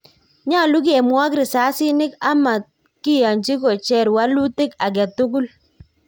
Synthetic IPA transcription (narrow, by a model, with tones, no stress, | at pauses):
ɲa˦˨lu˦k̬e˨mwa˦kɾɪ˨sa˨˦sɪ˦nɪ˦ka˦ma˨t̪̚ | kɪ˦ja˨ɲt͡ʃi˦kɔ˨t͡ʃɛ˦˨ɾwa˦lu˦tɪ˦ka˨ɡ̬ɛ˨tʊ˦k̬ʊ˦l